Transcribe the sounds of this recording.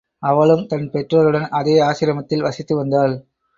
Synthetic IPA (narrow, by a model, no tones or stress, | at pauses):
ɐʋɐɭɯmt̪ɐnpɛʈrɐɾɯɽɐnɐðeːaːɕɪɾɐmɐt̪ːɪlʋɐsɪt̪ːɯʋɐnd̪aːl